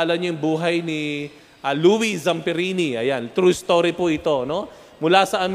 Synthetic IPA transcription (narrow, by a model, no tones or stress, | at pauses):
alɐɲojʊŋbuːɦɐjni | ʔɐluːwizɐmpɛɾiniʔɐjant̪ɾust̪oːɾipoʔɪt̪o̞no̞ | mʊlasɐʔɐm